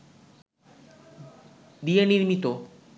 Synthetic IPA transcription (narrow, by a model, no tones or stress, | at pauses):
d̪ieniɾmit̪o